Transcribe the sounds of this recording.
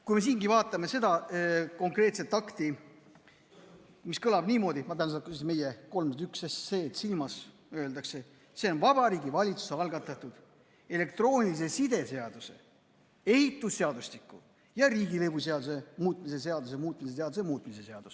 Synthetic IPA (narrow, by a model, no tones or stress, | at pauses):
kujme̞s̬iːŋɡivɑːt̪ˑːɑme̞se̞d̪̥ɑko̞ŋkre̞ːt̪se̞t̪ːɑkt̪i | miskɤlɑbniːmo̞ːd̪imɑ̥eænsɑkussime̞jeko̞lmt̪yksesseːt̪silmɑs | ø̞ːld̪ɑkse̞ | se̞o̞nvɑb̥ɑɾiːɡivɑlʲit̪su̥seɑlɡ̥ɑt̪ːˑɑt̪ːˑud̪̥ | e̞le̞k̚t̪ro̞ːnʲilis̬e̞sid̪̥e̞se̞ɑd̪̥use̞̰ | e̞hit̪ːˑusːe̞ɑd̪̥ust̪ikːˑu | jɑɾiːɡilebuse̞ɑd̪use̞muːt̪̚ˑmis̬e̞se̞ɑd̪̥us̬e̞muːt̪ːˑmis̬es̬eɑd̪usemuːt̪̚ˑmise̞se̞ɑd̪̥us